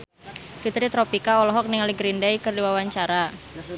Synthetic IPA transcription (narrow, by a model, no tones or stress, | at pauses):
fit̪ɾit̪ɾɔpikaɔlɔɦɔk̚nɪŋaliɡɾindajkɨrdiwawaɲt͡ʃaɾa